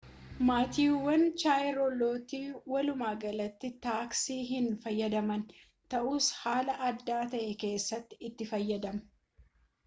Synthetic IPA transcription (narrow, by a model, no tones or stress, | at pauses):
maːt̪iːwːɐnt͡ʃaːjɾɔloːt̪iːwɐlʊmaːɡɐlɐt̪ːɪt̪aːksiːɦɪnfɐjːɐd̪ɐmɐn | t̪ɐʔuːshaːlɐʔɐd̪ːaːt̪ɐʔɛke̞ːsːɐt̪ːɪɪt̪ːɪfɐjːɐd̪ɐmɐ